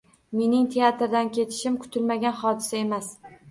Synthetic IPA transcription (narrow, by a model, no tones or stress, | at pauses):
me̞nɪŋt̪ʰe̞at̪ɾd̪ankʲʰe̞t̪ʰɪ̥ʃɪmkʰʊ̥t̪ʰɪlmaɡʲanχɒd̪ɪsae̞mas